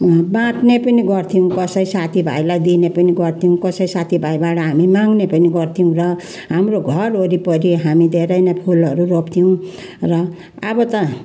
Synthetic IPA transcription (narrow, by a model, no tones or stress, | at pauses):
bãt̪nepʌniɡʌrt̪ʰiũkʌsʌjsat̪ʰibʱa̰jlajd̪inepʌniɡʌrt̪ʰiũkʌsʌisat̪ʰibʱajbaʈʌɦamimãŋɡnepʌniɡʌrt̪ʰiũrʌ | ɦamroɡʱʌroɾipʌɾiɦamid̪ʱeɾʌjnʌpʰulʌɾuropt̪ʰiw̃ | rʌ | abʌt̪ʌ